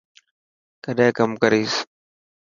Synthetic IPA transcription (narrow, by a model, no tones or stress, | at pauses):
kəɗẽkəmkəɾiːs